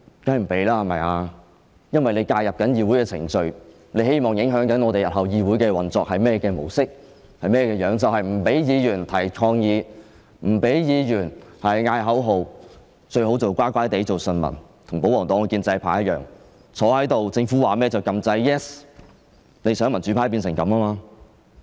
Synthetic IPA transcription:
kaː˥jm̩˨˩pe˨˥jlaː˥˨mɐ˨˩jaː˧ | jɐ˥nwɐ˨jne˨˧jkaː˧jɐ˨p̚kɐ˨˥njiː˨˧wuː˨˥jkɛː˧t͡sʰɪ̰˨˩ŋt͡ʃɵ˧ɥ | ne˨˧jhe˥jmɔː˨˩ŋjɪ˨˥ŋɦœː˨˥ŋkɐ˨˥nɔː˧t̪e˨jɐ˨t̚hɐ˨wjiː˨˧wu˨˥jkɛː˧wɐ˨nt͡sɔː˨k̚hɐ˨jmɛː˥kɛː˧mo̰˨˩wsɪ˥k̚ | hɐ˨jmɛː˥kɛː˧jœː˨˥ŋt͡sɐ˨whɐ˨˩jm̩˨˩pe˨˥jjiː˨˧jyː˨˩nt̪ʰɐ˨˩jkʰɔː˧ŋjiː˨˧ | m̩˨˩pe˨˥jjiː˨˧jyː˨˩nhɐ˨jŋaː˧jɦɐ˨˥wɦo˨w | t͡ʃɵ˧ɥɦo˨˥wt͡sɐ˨˩wkʷaː˥kʷaː˥jt̪e˨˥jt͡so˨wsɵ˧nmɐ̰˨˩nt̪ʰʊ˨˩ŋpo˨˥wɔː˨˩ŋt̪ɔː˨˥ŋ˧kiː˧nt͡sɐ˧jpʰaː˨˥jɐ˥t̚jœː˨ŋ | t͡sʰɔː˨˥hɐ˨˥jt̪o˨wt͡sɪ˧ŋfuː˨˥waː˨mɛː˥t͡sɐ˨wkɐ˧mt͡sɐ˧jjɛ˥s | ne˨˧jsœː˨˥ŋmɐ˨˩nt͡ʃy˨˥pʰa˨˥jpi˧ns̬ɪ˨˩ŋkɐ˨˧maː˥maː˧

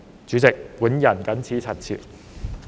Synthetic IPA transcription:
t͡syː˨˥t͡sɪ˨k̚puː˨˥njɐ˨˩nkɐ˨˥nt͡sʰiː˨˥t͡sʰɐ˨˩tt͡sʰḭː˨˩t̚

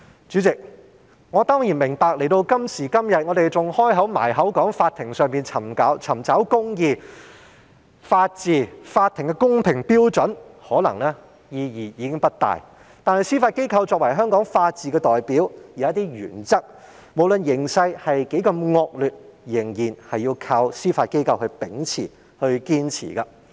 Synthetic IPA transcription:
t͡ʃyː˨˥t͡sɪ˨k̚ | ŋɔː˨˧t̪ɔː˥ŋji˨˩nmɪ˨˩ŋpaː˨k̚le˨˩jt̪o˧wkɐ˥msiː˨˩kɐ˥mjɐ˨t̚ŋɔ˨˧ɾe˨jt͡sʊ˨ŋhɔː˥jɦɐ˨˥wma̰ː˨˩jɦɐ˨˥wkɔː˨˥ŋfaː˧t̪ʰɪ˨˩ŋsœː˨˧ŋmiː˨nt͡sʰɐ˨˩mkaː˨˥wt͡sʰɐ˨˩mt͡sɐ˨˥wkʊ˥ŋjiː˨˧ | faː˧t̚t͡siː˨˧faː˧t̪ʰɪ˨˩ŋkɛ˧kʊ˥ŋpʰɪ˨˩ŋpiː˥wt͡ʃɵ˨˥nhɔː˨˥lɐ̰˨˩ŋlɛː˥ | jiː˧jiː˨˩jiː˨˧kɪ˥ŋpɐ˥t̚t̪a̰ː˨j | t̪aː˨nhɐ˨jsiː˥faː˧t̚ke˥jkʰɐ˧wt͡sɔː˧k̚wɐ˨˩jɦœː˥ŋkɔː˨˥ŋfaː˧t̚t͡siː˨kɛː˧t̪ɔː˨˩jpiː˨˥wjiː˨˦ɐ˥t̪iː˥jy̰ː˨˩nt͡sɐ˥k̚ | mo˨˧wlɵ˨njɪ˨˩ŋsɐ˧jhɐ˨jke˨˥jkɐ˧mŋɔː˧k̚lyː˨t̚jɪ˨˩ŋjiː˨˩nhɐ˨jiː˧kʰaː˧wsiː˥faː˧t̚ke˥jkʰɐ˧whɵ˧pɪ˨˥ŋt͡sʰḭː˨˩ | hɵ˧ɥkiː˥nt͡sʰḭː˨˩kɐ˧

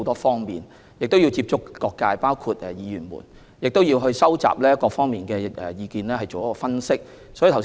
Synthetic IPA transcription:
wt̪ɔː˥fɔː˥ŋmiː˨˩n | jɪ˨k̚t̪o˥wji˧wt͡siː˧p̚t͡ʃʊ˥kːɔː˧kːaː˧jpaː˥wkʰuː˧t̚ɛ˨˩jiː˨˧jyː˨˩nmṵː˨˩n | jɪ˨k̚t̪o˥wjiː˧wɦɵ˧ɥsɐ˥wt͡sa̰ː˨˩p̚lɛː˥kɔː˧fɔː˥ŋmiː˨nkɛː˧ʔɛ̰˨˩jiː˧kiː˨nlɛː˥ɦɐ˨jt͡ʃo˨wjɐ˥kɔː˧fɐ˥nsɪ˥k̚ | sɔ˨˥ji˨t̪ʰ

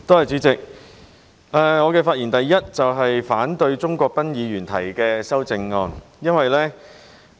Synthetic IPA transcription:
t̪o˥hɐ˨jt͡syː˨˥t͡sɪ˨k̚ | ɛː˨ŋɔː˨˧kɛː˧faː˧t̚jiː˨˩nt̪ɐ˨jːɐ˥t̚t͡sɐ˨wɦɐ˨jfaː˨˥nt̪ɵ˧ɥt͡sʊ˥ŋkʷɔː˧k̚pɐ˥njiː˨˧ɥyː˨˩nt̪ʰɐ˨˩jkɛː˧sɐ˥wt͡sɪ˧ŋːɔː˧n | jɐ˥nwɐ˨jlɛː˥

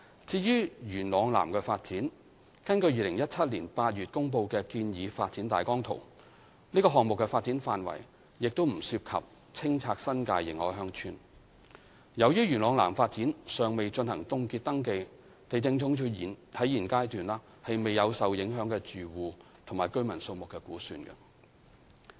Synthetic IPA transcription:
t͡siː˧jyː˥jyː˨˩nlɔː˨˧ŋla̰ː˨˩mkɛː˧faː˧t̚t͡siː˨˥n | kɐ˥nkɵ˧ɥjiː˧lɪ˨˩ŋjɐ˥t̚t͡sʰɐ˥t̚liː˨˩npaː˧t̚ɥyː˨t̚kʊ˥ŋp̬o˧wkɛː˧kiː˧njiː˨˧faː˧t̚t͡siː˨˥nt̪a̰ː˨jkɔː˥ŋt̪ʰo̰˨˩w | niː˥kɔː˧ɦɔː˨ŋmʊ˨kːɛ˧faː˧t̚t͡siː˨˥nfaː˨nwɐ̰˨˩j | jɪ˨k̚t̪o˥wm̩˨˩siː˧p̚kʰɐ̰˨p̚ | t͡sʰɪ˥ŋt͡sʰaː˧k̚sɐ˥nkaː˧jːɪ̰˨˩ŋɔ̰ː˨˥jɦœː˧ŋt͡ʃʰy̰ː˧n | jɐ˨˧wjyː˥jyː˨˩nlɔː˨˧ŋla̰ː˨˩mfaː˧t̚t͡siː˨˥nsœː˨ŋme˨jt͡ʃɵ˧nhɐ˨˩ŋt̪ʊ˧ŋkiː˧t̚t̪ɐ˥ŋke˧j | t̪e˨jt͡sɪ˧ŋt͡sʰʊ˨˥ŋt͡ʃʰyː˨˧i˨˩nt̪ʰɐ˨˥jiː˨˩nkaː˥jt̪yː˨nlaː˧ | hɐ˨jme˨jɐ˨˧wsɐ˨wjɪ˨˥ŋɦœː˨˥ŋkɛː˧t͡syː˨˩wuː˨ | t̪ʰʊ˨˩maː˨jkɵ˥ɥmɐ˨˩nso˧wmʊ˨kːɛː˧kuː˨˥sy̰ː˧nkɐ̰˧

